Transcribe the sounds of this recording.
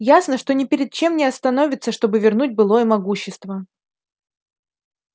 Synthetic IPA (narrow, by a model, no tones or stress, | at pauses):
jasnəʂt̪o̞nʲɪpʲɪɾʲɪd̪̚t͡ɕe̞mnʲɪɐst̪ɐno̞vʲɪt̪səʂt̪o̞bɨvʲɪrnut̚ʲbɨlˠo̞jəmɐɡuɕːɪst̪və